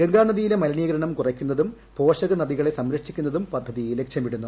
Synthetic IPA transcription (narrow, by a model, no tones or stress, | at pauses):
ɡeŋɡaːnɐðijilemɐlɐniːɡɐɾɐɳɐmkurɐkʲːunːɐðum | po̞ːʂɐɣɐnɐðiɣɐɭe̞sɐmɾɐkʂikʲːun̪ːɐðumpɐd̪ʱːɐðijilekʂɐmiɽunːu